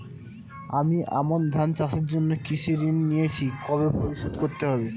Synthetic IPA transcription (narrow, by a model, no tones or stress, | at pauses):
amiʔa̰mond̪ʱant͡ɕaʃeɾd͡ʑonːokiʃeɾinːijet͡ɕʰikɔβepoɾiʃod̪koɾt̪eɦɔbe